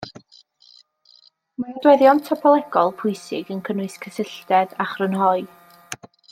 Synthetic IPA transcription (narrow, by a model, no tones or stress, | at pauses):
madwɛðjɔntʰɔpʰɔlˠɛɡɔlˠpʰʊɨsɪɡənkʰənɨskʰəsɪɬtɛdaχrənɦɔɨ